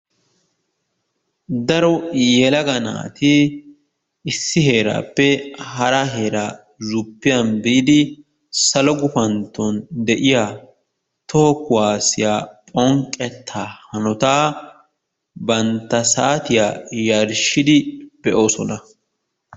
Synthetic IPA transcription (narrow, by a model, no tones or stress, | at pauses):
d̪ɐɾɔjɛlɐɡɐna̰ːt̪ɪ | ɪsːɪɦe̞ːɾa̰ːpːɛhɐɾɐɦe̞ːɾaː | zʊpːɪjɐnbiːd̪ɪ | sɐlɔɡʊfɐnt̪ːɔnd̪ɛʔɪjaː | t̪ɔhɔkʊwaːsɪjaːpʼɔŋkʼːɛt̪ʰːaːhɐnɔt̪aː | bɐnt̪ːɐsaːt̪ɪjaːjɐɾʃɪd̪ɪb̥ɛʔo̞ːsɔnɐ